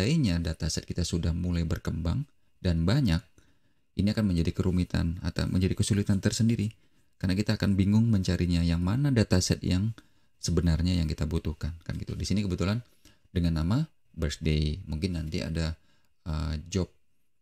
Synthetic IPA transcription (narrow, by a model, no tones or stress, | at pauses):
aiɲadat̪asɛt̪̚kit̪asudahmulajbərkəmba̰ŋ | danbaɲak̚ | iniakanməɲd͡ʒadikəɾumit̪a̰na̰t̪a̰wməɲd͡ʒadikəsulit̪ant̪ərsəndiɾi | karnakit̪aːkanbiŋʊŋməɲt͡ʃaɾiɲajaŋmanadat̪asɛ̰t̪̚jaŋ | səbənarɲajaŋkit̪abut̪uhkanka̰nɡit̪ṵdisinikəbət̪ulan | dəŋanːama | bərsdeimuŋkɪnːant̪ia̰da | əd͡ʒɔp̚